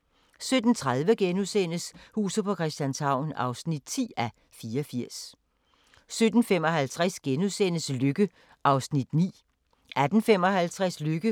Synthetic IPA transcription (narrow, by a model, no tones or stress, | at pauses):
sød̥n̩t͡sʰʁað̞ˠʋəɡ̥enusenəshṵːsð̩ˠpʰɒ̽kʰʁɛsd̥jænshɑ̈ʊ̰nɑ̈ʊsnid̥̚t͡sʰḭːæ | fiːɐɒfiɐ̰s | sød̥n̩fem̰ɒ̽ɦælt͡sʰʁɛsɡ̥enusen̰əsløɡ̥ə | ʔɑ̈ʊsnid̥nḭː | ʔæd̥n̩fem̰ɒ̽hælt͡sʰʁasløɡ̥ə